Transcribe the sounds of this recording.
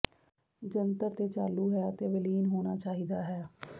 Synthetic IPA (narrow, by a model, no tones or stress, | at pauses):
d͡ʒənt̪əɾt̪eːt͡ʃaːluːɦɛːt̪eːʋəliːnɦoːnaːt͡ʃaːɦiːd̪aːɦɛː